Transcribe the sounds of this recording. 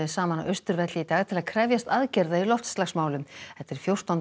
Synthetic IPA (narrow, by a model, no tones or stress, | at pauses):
ɪsaːmana̰ʔœɥst̪ʏɾvɛt̪lɪit̪aːɣt̪ʰɪlaðkʰɾɛvjast̪aðcɛɾðailɔft̪st̪laxsmaːwlʏmhɛt̪ːɛɾ̥fjowr̥t̪an